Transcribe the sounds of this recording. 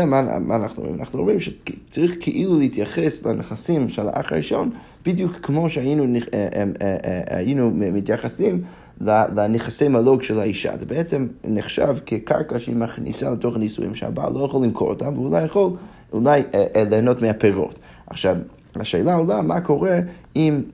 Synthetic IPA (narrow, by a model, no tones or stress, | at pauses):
ma̰maːnaχnuo̰mʁḭma̰naχnuomʁimʃɛt͡saʁiχkʰəʔiluləit̪jaχeslaneχasimʃela̰ʔa̰χa̰iʃo̞n | b̥idjukːmoʃəajinun | a̰jinumitjaχasim | lalaneχase̞jmaloɡʃelaiʃa̰zɛbeɛt͡semneχʃa̰vkʰika̰ʁkaʃeimaχnḭsalətoχanisṵḭmʃəha̰ba̰lʔojaχolːimkʰoʁo̰tʰamvəulajaχol | ṵlajleːnotmeapeʁo̰t | aχʃav | aʃeːlaolamakʰoʁɛim